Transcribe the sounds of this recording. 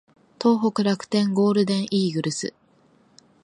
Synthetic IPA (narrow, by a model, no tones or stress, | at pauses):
t̪o̞ːɦo̞kɯ̟ɾakɯ̥t̪ẽ̞ŋɡo̞ːɾɯ̟d̪ẽ̞ɰ̃ʔiːɡɯ̟ɾɯ̟sɨ̰